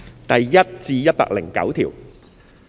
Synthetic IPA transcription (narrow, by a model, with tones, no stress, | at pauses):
t̪ɐ˨jjɐ˥t̚t͡siː˧jɐ˥t̚pa̰ː˧k̚lɪ˨˩ŋkɐ̰˨˥wt̪ʰiː˨˩w